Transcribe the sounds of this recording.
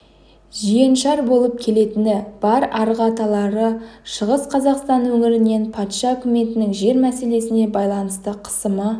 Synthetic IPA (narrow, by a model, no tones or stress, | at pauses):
ʒije̞nʃɑɾbo̞lˠəp̚kʲʰe̞le̞t̪ɪnɪb̥ɑɾɑɾəʁɑt̪ɑlˠɑɾəʃəʁəsqʰɑzɑqst̪ɑnwɵŋɪɾɪne̞npʰɑt̪ʃɑɵkʲʊme̞t̪ɪnɪŋʒe̞ɾmæse̞le̞sɪne̞bɑjlˠɑnəst̪əqʰə̥səmə